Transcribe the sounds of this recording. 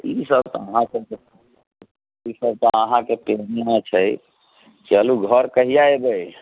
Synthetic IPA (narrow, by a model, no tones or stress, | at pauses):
isəbt̪aəɦãsəbke | isəb̚t̪əəɦãkepeɦnnat͡ʃʰəj | kiəluɡʱəɾkəɦijaebəj